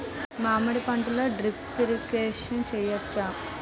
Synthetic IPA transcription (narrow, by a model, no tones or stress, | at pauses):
maːmɐɽipɐɳʈuloːɖɾiptiɾikeːʂɐnt͡ʃɛːjɐt͡ʃːaː